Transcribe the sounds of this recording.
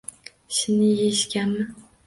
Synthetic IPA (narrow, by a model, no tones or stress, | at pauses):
ʃɪnɪjeʃkʲanmɪ